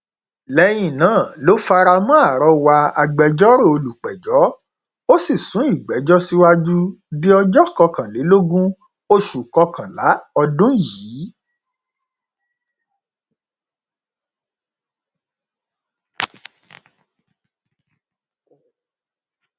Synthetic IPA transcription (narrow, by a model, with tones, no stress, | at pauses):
lɛ˨˧˦j̃ĩ˨nãː˨˦˨lo˨˦fa˧ɾa˧mɔ̃˦a˦˨ɾɔ˧wa˧a˧ɡ͡bɛ˧d͡ʒɔ˦ɾo˦˨o˧lu˨k͡pɛ˨d͡ʒɔ˨˦ | o˦si˦˨sũ˨˦i˦˨ɡ͡bɛ˨˦d͡ʒɔ˦si˦wa˦d͡ʒu˦di˦ɔ˧d͡ʒɔ˦kɔ˧kã˨le˨˦lo˦ɡũ˦ | o˧ʃu˨kɔ˧kã˨la˨˦ɔ˧dũ˦jiː˨˦